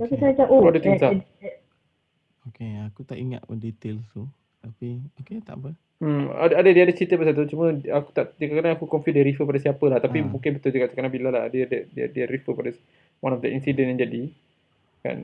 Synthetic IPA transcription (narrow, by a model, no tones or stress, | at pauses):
akit̪əat͡ʃaʔoadət̪insa | okeakut̪aʔiŋa̰t̪̚ədet̪elt̪u | t̪apioket̪a̰ʔbə | m̩a̰dadədiaadət͡ʃit̪əbəsat̪̬ut͡ʃumə̃aku̥t̪aʔt̪ikakanaakukɔnfidəɾifəpadasiapəlaht̪apimũŋkɪnbət̪ʊld͡ʒəkaʔt͡ʃəkanabilalaa̰dəadədia̰diəɾifəpadas | wanɔfdəinsidɛnjaŋd͡ʒadi | ka̰n